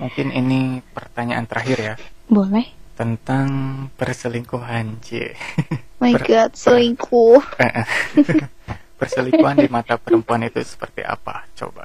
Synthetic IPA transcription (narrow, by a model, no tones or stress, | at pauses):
muŋkɪninipərt̪aɲaʔa̰nt̪əɾaɦɪrjabolɛht̪ənt̪aŋpərsəliŋkuɦant͡ʃḭ | maiərɡat̪̚səliŋkʰuhəʔəh | pərsəlikkuɦandimat̪apəɾəmpuanit̪usə̥pərt̪ḭʔa̰pa̰t͡ʃo̰ba̰